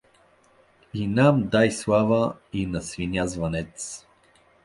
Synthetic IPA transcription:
inamd̪ajslˠavəinɐsvinʲazvɐnɛt̪s

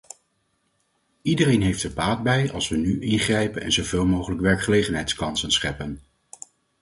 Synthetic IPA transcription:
idərejnɦejftəɹbaːt̚bɛjɑ̰lˠsʋənyʔɪnχrɛjpənɛ̰nzowveːlˠmowχələkʋɛɹkχəlejχənɦɛjtskɑnsənsχɛpən

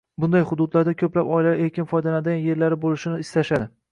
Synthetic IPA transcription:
bʊnd̪ajχʊd̪ʊd̪laɾd̪akʲʰɵplapɒɪlaeɾkʲɪnfɒjd̪anad̪ɪanje̞ɾlaɾɪbolɪʃɪnɪɪst̪aʃad̪ɪ

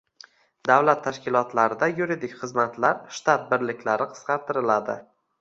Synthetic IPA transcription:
d̪awlat̪ʰːaʃkʲɪlˠɒt̪laɾɪd̪ajuɾid̪ɪkʲχɨzmat̪laɾʃt̪at̪̚bɪɾlɪkʲʰlaɾɪqʰɨ̥sqɑɾt̪ʰɪɾɪlad̪ɪ̰

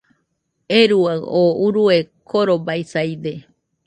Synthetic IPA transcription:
eɾuaɣouɾuekʰoɾobajsajd̪e

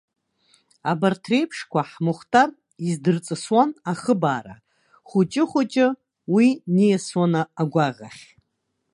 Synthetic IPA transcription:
abartʰre̞jpʰʂkʷaħmʊχtʰar | izdɨrt͡sʼɨswanaχəbaːɾa̰ | χʷʊt͡ʃʼɪχʷʊt͡ʃʼɪ | winijaswanaːɡʷaʁʲa̰χʲ

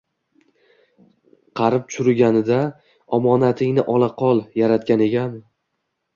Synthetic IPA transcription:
qʰɑɾɪp̚t̪t͡ʃʰʊɾɪɡʲanɪd̪a | ɒmɒnat̪ʰɪŋnɪʔɒlˠaqʰɒlˠjaɾat̪̚kʲane̞kʲʰan

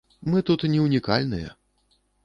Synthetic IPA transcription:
mɨt̪ut̪nʲɛwnʲikalʲnɨjɛ̰

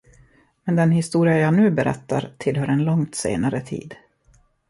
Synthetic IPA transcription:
mɛnd̪ɛnɦɪst̪uːɾɪajaːnʉ̟ːbɛɾɛ̰t̪ːaɾt̪ʰɪlɦœːɾɛnlɔŋt̪sḛːnaɾət̪ʰḭːd̪

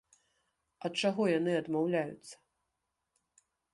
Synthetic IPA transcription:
ɐt̪̚t͡ʂaɣɔjanɨɐd̪mawlʲajṵt̪sːɐ̥

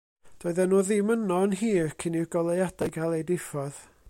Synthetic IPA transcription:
d̥ɔɨðɛnuːðimənɔnɦiːrkʰɪnɪrɡɔlˠejad̥ajɡalˠejdɪfɔð̥

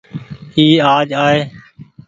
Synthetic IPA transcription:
hiːaːd͡ʒaːɦeː

